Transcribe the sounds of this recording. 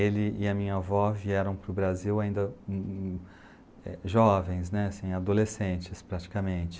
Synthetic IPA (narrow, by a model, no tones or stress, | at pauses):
elɪɪɐmĩɲɐvɔviɛɾɐ̃w̃pɾʊbɾaziwaĩnd̪ɐ | ɛ̰ʒɔvẽj̃snɛsĩj̃ad̪olesẽnt͡ʃɪspɾat͡ʃi̥kɐmẽnt͡ʃɪ̥